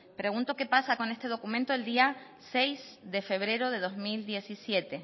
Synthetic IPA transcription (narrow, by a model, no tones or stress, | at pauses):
pɾe̞ɣ̞unt̪o̞ke̞pasako̞ne̞st̪e̞ð̞o̞kumẽnt̪oeld̪ia | se̞jzðe̞fe̞β̞ɾe̞ɾoð̞e̞ð̞o̞zmild̪je̞sisje̞t̪e̞